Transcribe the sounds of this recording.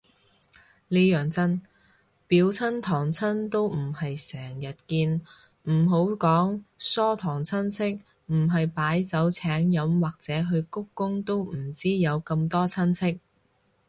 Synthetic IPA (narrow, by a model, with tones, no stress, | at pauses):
liː˥jœː˨˩ŋt͡sɐ˥n | piː˨˥wt͡sʰɐ˥nt̪ʰɔː˨˩ŋt͡sʰɐ˥nt̪o˥wm̩˨˩hɐ˨jsɛː˨˩ŋjɐ˨t̚kiː˧n | m̩˨˩ɦo˨˥wkɔː˨˥ŋsɔː˥t̪ʰɔː˨˩ŋt͡sʰɐ˥nt͡sʰɪ˥k̚ | m̩˨˩ɦɐ˨jpaː˨˥jt͡sɐ˨˥wt͡sʰɛː˨˥ŋjɐ˨˥mwaː˨k̚t͡sɛː˨˥ɦɵ˧ɥkʊ˥kːʊ˥ŋt̪o˥wm̩˨˩t͡siː˥jɐ˨˧wkɐ˧mt̪ɔː˥t͡sʰɐ˥nt͡sʰɪ˥k̚